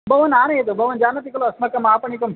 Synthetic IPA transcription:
bʱɐʋɐnaːɾɐjɐt̪ɐbʱɐʋɐnd͡ʒaːnɐt̪ikɐloɐsmɐkːɐmaːpɐɳikɐm

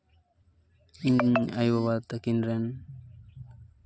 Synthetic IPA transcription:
iɲajwaβat̪akinɾen

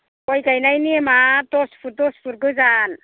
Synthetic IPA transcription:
kɔjkajnajnimatɔspʰuɾ̚dɔspʰuɾɡɯzan

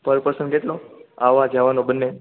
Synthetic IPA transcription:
pəɾpəɾsənkeʈloaʋad͡ʒaʋanobənːe

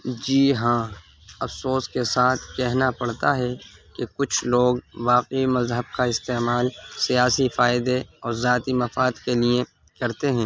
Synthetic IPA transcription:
d͡ʒiːɦãː | ɐfsoːskesaːt̪ʰkɛɦnapɐɽt̪aɦɛkekʊt͡ʃʰloːɡʋaːqimɐzɦəb̚kaɪst̪eːmaːlsijaːsifaːɪd̪eɔːɾzaːt̪imɐfaːd̪keliẽ | kɐɾt̪eɦɛ̃ː

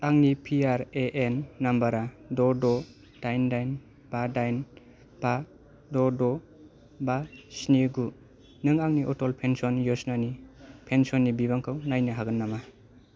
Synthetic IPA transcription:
aŋnipʰiaɾeʔenːambaɾadɔdɔ | d̥ajndajn | b̥adajn | b̥a | dɔdɔ | basniɡu | nɯŋaŋniʔɔtɔlpʰensɔnjɔsnanipʰensɔnːibibaŋkʰawnajnɯɦaɡɯnːama

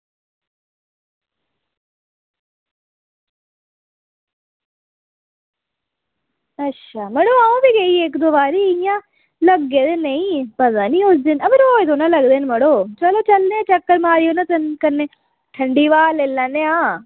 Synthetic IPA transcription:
ətːʃʰaːməɽoːaːũːbiːɡəiːekd̪oːbaːɾiːɪjãː | ləɡːeːd̪eːnəĩːpət̪ãːniːʊsd̪ɪnəbɪɾoːet̪oːnãːləɡd̪eːnməɽoːt͡ʃəloːt͡ʃəlneãːt͡ʃəkːəɾmaːɾijoːnãt̪ənkəneː | ʈʰəɳɖiːʋaːleːlãːneãː

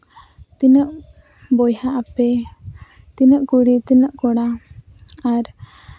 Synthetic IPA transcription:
t̪inəʔ | bɔjhaʔapɛ | t̪inəʔkuɽit̪inəʔkɔɽa | aɾ

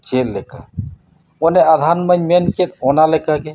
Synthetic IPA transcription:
t͡ʃelːeka̰ | onead̪ʱanməɲmenketonalekake

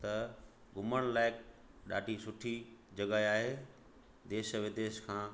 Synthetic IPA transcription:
t̪ɐ | ɡʱʊməɽ̃laːɪk̚ | ɗa̰ːɖʱisʊʈʰid͡ʑɐɡaiaːɦe | d̪eːʃəʋɪd̪eːʃkʰãː

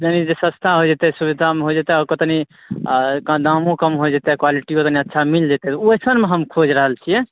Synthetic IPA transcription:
d͡ʒənid͡ʒesə̃st̪ʰaɦod͡ʒet̪ɛsuβid̪ʱameɦod͡ʒet̪ɛɔɾkət̪ni | kad̪ãmũkəmɦod͡ʒet̪ɛkwaliʈikot̪niətːʃʰamild͡ʒet̪ɛt̪ɔjsənmeɦəmkʰod͡ʒɾəɦəlt͡ʃʰijɛ

